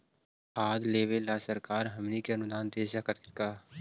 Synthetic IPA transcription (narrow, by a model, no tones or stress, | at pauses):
haːd̪leːʋelaːsɐɾkaːɾɦɐmnikeɐnʊd̪aːnd̪eːʃakɐt̪ɪɾkaː